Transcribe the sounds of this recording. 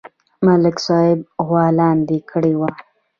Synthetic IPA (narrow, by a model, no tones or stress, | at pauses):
malɪksɑhɪb̚ɣwɑlɑnd̪ekʰəɽewa